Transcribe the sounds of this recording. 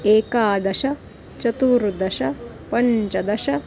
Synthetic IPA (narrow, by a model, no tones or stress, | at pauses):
eːkaːd̪ɐʃɐ | t͡ʃɐt̪uːɾd̪ɐʃɐ | pɐɲt͡ʃɐd̪ɐʂɐ